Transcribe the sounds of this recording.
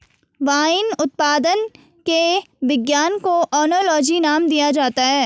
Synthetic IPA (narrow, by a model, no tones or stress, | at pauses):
ʋaːɪnʊt̪̚paːd̪ən | keʋɪɡjaːnkoʔɔːnolɔːd͡ʒinaːmd̪ijad͡ʒaːt̪aɦɛː